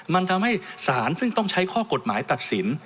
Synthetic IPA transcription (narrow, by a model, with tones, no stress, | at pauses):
ma˧nt̪ʰa˧mha˥˩jsaː˩˦nsɯ˥˩ŋt̪ɔ˥˩ŋt͡ɕʰa˦˥jkʰɔː˥˩ko˨˩t̪̚maː˩˦jt̪a˨˩t̪̚si˩˦n